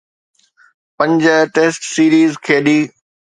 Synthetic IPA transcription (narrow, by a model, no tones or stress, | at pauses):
pə̃ɲd͡ʑəʈeːsʈsiːɾiːzkʰeːɗiː